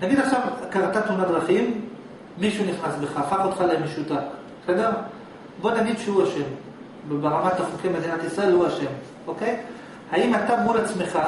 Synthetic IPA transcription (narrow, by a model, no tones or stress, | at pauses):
naɡidaχʃavkanat̪at̪munadʁaχimː | iʃuniχnasbe̞χaːfaχot̪χaleemeʃutak | sedeʁ | bo̞naɡid̪ʃehuaʃe̞m | beʁamat̪aχokemedinat̪isʁae̞lhuaʃe̞m | o̞ke̞j | haimat̪abmulat͡sme̞χa